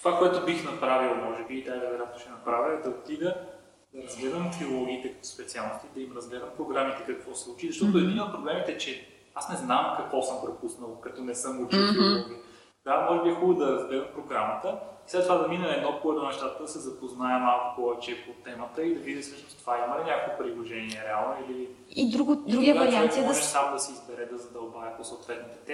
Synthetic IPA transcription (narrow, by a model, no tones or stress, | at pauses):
t̪ovakoɛt̪ʊbixnɐpɾavilˠmɔʒɛbiːd̪ajvɛɾɛɾʲat̪noʃɛnɐpɾavʲəd̪ɐot̪id̪ə | d̪ɐɾɐzɡlɛd̪əmt̪ɾiolˠɔɡiːt̪ɛkət̪o̥spɛt̪sialˠnost̪id̪ɐimɾɐzɡlɛd̪əmpɾoɡɾamit̪ɛkɐkvɔsɛ̥slˠut͡ʃizɐʃt̪ɔt̪ʊɛd̪inoːt̪̚pɾoblɛmit̪ɛt͡ʃɛ | asnɛznamkɐkvɔsɤmpɾopusnəlˠkɐt̪ɔnɛsɤmɡot͡ʃit̪oi | d̪amɔʒɛbiɛxubəd̪ɐɾɐzɡlɛd̪əmpɾoɡɾamət̪əislɛt̪ːovad̪ɐminəɛd̪nɔkuət̪ʊnɛʃt̪at̪əkd̪ɐsɛzɐpoznaɛmalˠkʊkɔvɐt͡ʃɛpot̪ɛmət̪əid̪ɐvid̪isəʃt̪o̥t̪ovaimɐlinʲakovipɾilˠoʒɛniɛɾɛalˠnoili | id̪ɾuɡd̪ɾuiɐɾiasid̪ɛʃsamod̪ɐsiːzbɛɾɛd̪ɐzɐd̪ɐbavʲɐposɐʊt̪vɛt̪nit̪ɛ̥t̪ɛ